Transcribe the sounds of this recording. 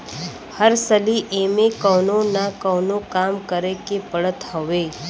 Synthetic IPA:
həɾsəliʔemekəwnonakəwnokamkəɾekepəɭət̪ɦɔʋe

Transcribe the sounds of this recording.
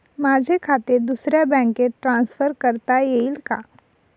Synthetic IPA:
maːd͡ʒʱekʰaːt̪ed̪usɾebɛ̃ːkːeʈɾãːnsfʰəɾkəɾt̪ajeːlkaː

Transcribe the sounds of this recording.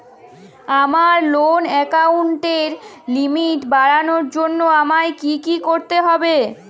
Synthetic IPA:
amaɾlonɛkauɳʈeɾ | limiʈbaɾanoɾd͡ʑonːoamaekikikoɾt̪eɦɔbe

